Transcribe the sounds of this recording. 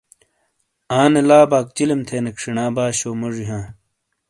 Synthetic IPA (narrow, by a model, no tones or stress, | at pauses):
aːnelaːbaːk̚t͡ɕilemt̪ʰeːnekʂinaːbaːɕoːmoʐiɦãː